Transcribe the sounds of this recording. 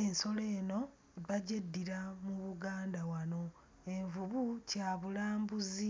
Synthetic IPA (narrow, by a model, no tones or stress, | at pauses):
enso̞le̞ːno̞ | βaɟedːiɾamuβuɡaːndawano̞ | e̞ɱvuβucaːβulaːmbuzi